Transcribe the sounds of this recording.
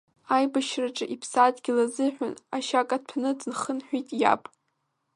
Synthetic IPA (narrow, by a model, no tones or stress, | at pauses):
ajbaʃraʈ͡ʂʼɨʔipʰsadɡʲɪlazɨħʷᶣʊnaʃakʼad̚pʰnɨd͡znχənħʷᶣitʼja̰pʼ